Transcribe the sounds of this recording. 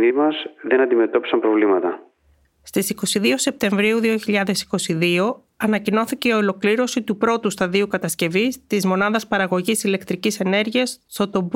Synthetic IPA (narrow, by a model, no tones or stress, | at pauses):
nimɐzðenɐnd̪ime̞t̪o̞pi̥sɐmpɾovlimɐt̪ɐ | st̪isiko̞siðio̞se̞p̚t̪e̞ɱvɾiuðio̞çiʎɐðe̞si̥ko̞siðio̞ | ɐnɐcino̞θice̞iolo̞kliɾo̞sit̪upɾo̞t̪ust̪ɐðiukɐt̪ɐsce̞vist̪izmo̞nɐðɐspɐɾɐɣo̞ʝisile̞kt̪ɾicise̞ne̞ɾʝiɐst̪o̞t̪o̞b